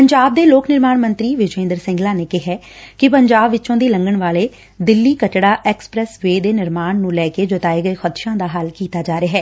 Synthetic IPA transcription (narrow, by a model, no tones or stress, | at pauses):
pəɲd͡ʒaːb̚d̪eːloːknɪɾmaːnmənt̪ɾiːʋɪd͡ʒẽːnd̪əɾsɪ̃ŋɡlaːneːkɪɦɛː | kɪpəɲd͡ʒaːbʋɪt͡ʃõːd̪iːləŋɡəɳʋaːleː | d̪ɪlːiːkəʈɽaːʔɛːkspɾɛːsʋeːd̪eːnɪɾmaːnnũːlɛːkeːd͡ʒət̪aːeːɡəeːxʰət̪ʃãːd̪aːɦəlkiːt̪aːd͡ʒaːɾeaːɦɛː